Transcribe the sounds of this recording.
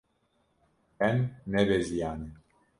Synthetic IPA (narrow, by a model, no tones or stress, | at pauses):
ɛnːɛbɛzianɛ